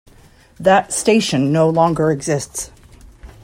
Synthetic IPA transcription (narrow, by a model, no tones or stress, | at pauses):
ðɨtsteɪʃɨ̃nːoʊlɔ̃ŋɡə˞ɨɡzɪsts